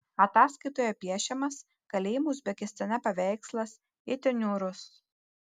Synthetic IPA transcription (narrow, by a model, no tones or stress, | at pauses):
ɐt̪ɑːskɐɪt̪oːjɛpʲiɛʃʲɛmɐs | kɐlʲeːjɪmuʊzʲbʲɛkʲɪsʲt̪ɐnʲɛpɐʋʲɛɪkslˠɐs | ɪt̪ʲɪnʲuːɾʊs